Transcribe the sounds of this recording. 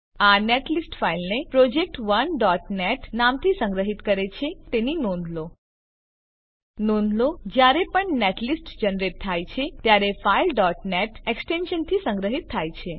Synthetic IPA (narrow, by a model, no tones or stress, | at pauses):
aneʈlisʈfailnepɾɔd͡ʒek̚ʈʋənɖɔʈneʈnamt̪ʰisə̃ŋɡɾəɦit̪kəɾet͡ʃʰet̪eninõnd̪ʱlo | nõnd̪ʱlod͡ʒjaɾepəɳneʈlisʈd͡ʒənɾett̪ʰːajt͡ʃʰet̪jaɾefailɖɔʈneʈeksʈenʃənt̪ʰisə̃ŋɡɾəɦit̪ʰːajt͡ʃʰe